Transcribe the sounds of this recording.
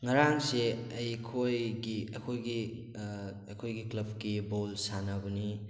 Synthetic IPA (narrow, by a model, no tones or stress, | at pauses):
ŋɐɾaŋseɐjkʰojɡiɐkʰojɡi | ɐkʰojɡiklɐb̚kibolsanɐbɐni